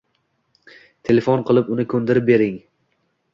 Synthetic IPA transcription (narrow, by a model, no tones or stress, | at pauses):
t̪ʰe̞lefɔnqʰɨlˠɪpʊnɪkʰɵnd̪ɪɾɪp̚be̞ɾɪŋ